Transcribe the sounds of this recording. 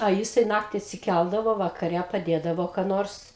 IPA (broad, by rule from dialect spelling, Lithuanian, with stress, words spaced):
ɐ ˈjɪsɐɪ ˈnɑːktʲɪ ɐtʲsʲɪˈkʲælˠdɐʋoː ʋɐkɐˈrʲɛ pɐˈdʲeːdɐʋoː kɑː ˈnoːrs